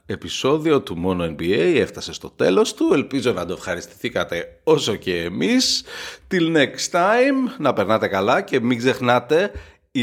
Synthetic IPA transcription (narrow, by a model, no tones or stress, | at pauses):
e̞piso̞ðio̞t̪umo̞no̞enbie̞jeft̪ɐse̞st̪o̞t̪e̞̰lo̞st̪ue̞lpizo̞nɐd̪oefxɐɾist̪i̥θikɐt̪e̞o̞so̞ce̞ːmist̪ilnekst̪ɐjmnɐpe̞ɾnɐt̪e̞kɐlɐce̞miɡze̞xnɐt̪e̞ | i